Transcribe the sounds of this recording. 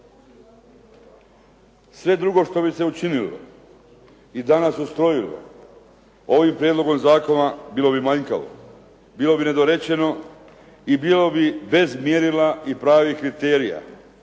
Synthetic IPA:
sʋe̞d̪ɾuɡo̞ʃt̪o̞bise̞ut͡ʃinilo̰ | id̪anasust̪ɾo̞jilo̰ | oʋimpɾjed̪lo̞ɡo̞mzaːko̞nabiːlo̞bimaɲka̰ʋo̰ | biːlo̞bine̞d̪o̞ɾe̞t͡ɕe̞no̞ | ibiːlo̞bibe̞zmjeɾilaipɾaːʋikɾit̪eːɾija̰

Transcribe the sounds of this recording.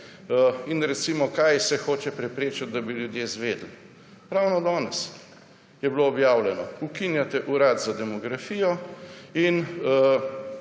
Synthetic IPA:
inɾɛt̪simɔkajsɛxoːt͡ʃɛpɾɛpɾeːt͡ʃat̪̚d̪abiljud̪jeːzʋeːd̪l̩ | ɾawnɔd̪ɔːnɛs | jɛbloːbjaːwljɛnɔukinjat̪ɛʔuɾaːt̪zad̪ɛmɔɡɾafijɔin

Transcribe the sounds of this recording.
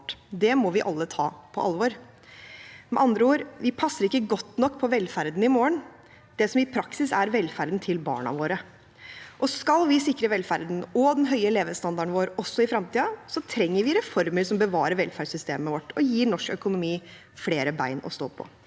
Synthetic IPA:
ʈd̪ɛmɔʋɪʔɑlːət̪ʰɑ̰ːpʰɔʔɑlʋɔɾ | mɛ̰ʔɑnd̪ɾəuːɾʋɪpʰɑsːəɾɪkːəɡɔt̪ːnɔkːpʰɔʋɛlfæɾd̪n̩ɪmoːəɳ | d̪̥ɛsɔmɪpʰɾɑksɪsæɾʋɛlfæɾd̪nt̪ʰɪlbɑ̰ːɳɑ̰ʋoːɾə | ʔɔskɑlʋɪsɪkːɾəʋɛlfæɾd̪n̩ɔd̪ɛnɦœʏəɛleːʋəst̪ɑnd̪ɑɾɳʋoːɾɔsːɔɪfɾɑmt̪ʰiːɑsɔt̪ʰɾɛŋːəɾʋɪɾɛfɔɾməɾsɔmbəʋɑ̰ːɾəɾʋɛlfæɖsʏst̪ḛːməʋɔʈːɔjiːɳɔʂkœkʊnʊmiː | fleːɾəbæɪnɔ̰st̪o̰ːpʰɔ̰

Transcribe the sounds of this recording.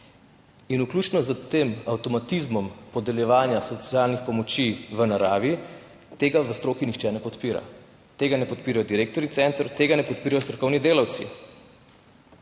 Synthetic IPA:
inuklʲuːt͡ʃnɔzət̪emawt̪ɔmat̪izmɔmpɔd̪ɛljɛʋaːnjasɔt̪sjaːlnixpɔmɔt͡ʃiʋənaɾaːʋi | t̪eːɡaʋəst̪ɾoːkinixt͡ʃɛnɛpɔt̪piːɾa̰ | t̪eːɡanɛpɔt̪piːɾajɔd̪iɾeːk̚t̪ɔɾit̪sɛnt̪əɾt̪eːɡanɛpɔt̪̚piːɾajɔst̪ɾɔkɔwnid̪eːlawt̪sḭ

